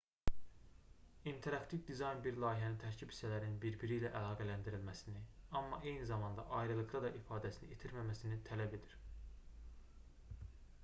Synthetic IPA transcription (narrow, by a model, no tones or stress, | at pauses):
int̪ʰe̞ɾɑkt̪ʰivd̪izɑjnbiɾlˠɑːiɦænint̪ʰæɾcʰibhi̥sælæɾninbiɾbiɾilæʔælˠɑːɡælænd̪iɾilmæsiniɑmːɑʔe̞jnizɑmɑnd̪ɑ̰ʔɑjɾɯlˠɯɣɑd̪ɑʔifɑːd̪æsiniet̪ʰiɾmæmæsinit̪ʰælæbe̞d̪iɾ̥